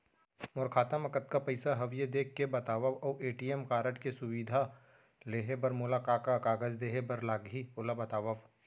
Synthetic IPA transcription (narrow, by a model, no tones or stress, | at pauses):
mʊɾkʰaːt̪əmɐkət̪kapɐɪsaɦɐʋjed̪eːkʰːebɐt̪aːʋəʋɔːeːʈijemkaːɾəʈkesʊwiːd̪ʱa | leːɦebɐɾmʊːlakaːkakaːɡəzd̪eːɦebɐɾlaːɡɦiʊlabɐt̪aːʋəʋ